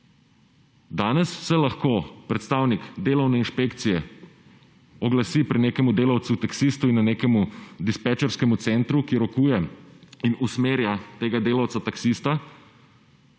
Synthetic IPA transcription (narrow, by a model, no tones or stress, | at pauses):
d̪aːnɛssɛlaxkopɾɛt̪st̪aːwnikd̪eːlɐwnɛinʃpekt̪sijɛ | ɔɡlasipɾineːkɛmud̪eːlawt̪sut̪aksiːst̪uinːanekɛmud̪ispɛt͡ʃɛɾskɛmut̪sɛnt̪ɾukiɾɔkuːjɛinusmeːɾjat̪eːɡad̪eːlawt̪sat̪aksist̪a